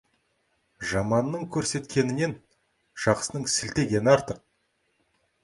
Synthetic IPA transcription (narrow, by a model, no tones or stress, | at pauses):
ʒɑmɑnːəɴkʲʰɵɾse̞t̪kʲe̞nɪne̞n | ʒ̥ɑqsənəɴsɪlt̪e̞ɡʲe̞nɪɑɾt̪əq̚